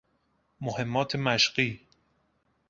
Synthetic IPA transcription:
mohe̞mːɒːt̪ʰemæʃɢiː

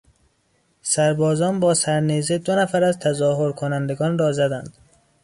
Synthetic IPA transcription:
sæɾbɒːzɒːnbɒːsæɾnezed̪onæfæɾæzt̪ʰæzɒːhoɾkʰonænd̪eɡɒːnrɒːzæd̪ænd̪̥

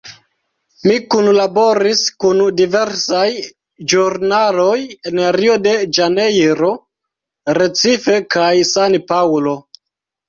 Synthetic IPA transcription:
mikunlabo̞ɾiskundive̞ɾsaj | d͡ʒuɾnalo̞jeneɾiode̞d͡ʒane̞jɾo̞ | ɾe̞t͡sife̞kajsanpawlo̞

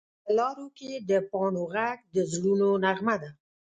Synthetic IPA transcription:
pəlɑɾoked̪əpɑnoɣak̚d̪əzlunonaɣmad̪a

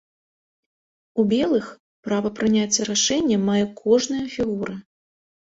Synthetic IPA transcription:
ubʲɛlˠɨx | pɾavɐpɾɨnʲat͡sʲːɐɾaʂɛnʲːɐmajɛkʰɔʐnɐjɐfʲiɣuɾɐ

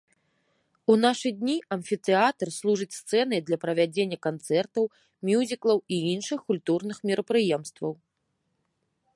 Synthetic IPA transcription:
unaʂɨd̪ʲnʲiɐnfʲit̪ɛat̪ɐrslˠuʐɨt͡sʲst̪sɛn̪ɨd̪lʲɐpɾɐvʲad͡zʲenʲːɐkant̪sɛrt̪ɐw | mʲjuzʲiklˠɐwiinʂɨxkulʲt̪urnɨxmʲiɾɐpɾɨjɛmst̪vɐw

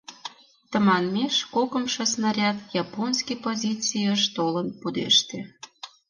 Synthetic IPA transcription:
t̪ə̆mɑnmeʃkokə̆mʃŏsnɑɾʲɑt̪jɑponskijpozʲit͡sijəʃt̪olənpud̪ḛʃt̪ĕ

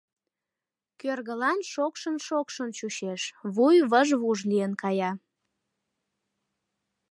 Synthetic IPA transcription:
kørɣəlɑnʃokʃənʃokʃənt͡ɕuɕeʃβujβəʒβuʒliənkɑjɑ

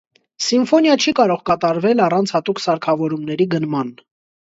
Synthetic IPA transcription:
siɱfɔnjɑt͡ʃʰikɑɾɔʁkɑt̪ɑɾvɛlɑrɑnt͡sʰhɑt̪uksɑɾkʰɑvɔɾumnɛɾiɡənmɑn

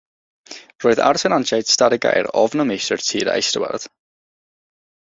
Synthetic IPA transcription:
roːɨða̰rsʰɛnanʃajd̥staɾɪɡa̰jɾɔvnəmejsərtʰiːɾa̰jstəwɛ̰rð̥

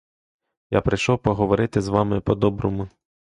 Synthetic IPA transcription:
ja̰pɾɪjʃɔwpɔɦɔʋɔɾɪt̪ɪzʋɑmɪpɔd̪ɔbɾɔmʊ

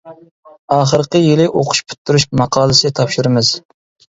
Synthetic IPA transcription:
ɑːχəɾqəjilɪʔoqʰʊ̥ʃpʰy̥t̪ʰːyɾuʃmɑqʰɑːlˠɨsɪt̪ʰɑpʃiɾɨmɪz̥

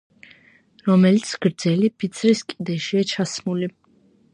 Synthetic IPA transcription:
ɾɔmɛlit̪sʰɡ̥ɾd̪zɛlipʰit̪sʰɾiskʼid̪ɛʃiat͡ʃʰasmuli

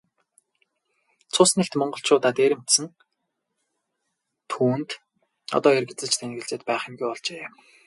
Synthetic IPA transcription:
t͡sʰʊsnĕɬt̪mɔɴɢɞ̆ɬt͡ɕʰʊːt̪aːt̪eːɾɪ̆mʰt̪sɘ̆n | t̪ʰuːnt̪ | ɔ̰t̪ɔːirɡĕt͡sɘ̆t͡ɕt̪ʰæŋɡɘ̆ɮt͡ɕeːt̪pæːχɪ̆mɡujpɔɮt͡ɕeː

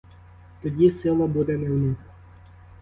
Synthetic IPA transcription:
t̪ɔdʲisɪlˠɐbud̪ɛnɛwnɪx

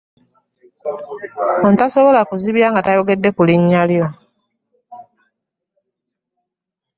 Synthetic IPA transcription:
ontasoβo̞lakuziβjaːŋɡatajoɡe̞dːe̞kuliɲːaljo̞

